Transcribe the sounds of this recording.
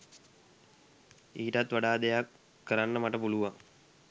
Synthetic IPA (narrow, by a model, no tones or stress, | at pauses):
iːʈat̪ʋaɖaːd̪ejakː | əɾanːəmaʈəpuluʋaŋ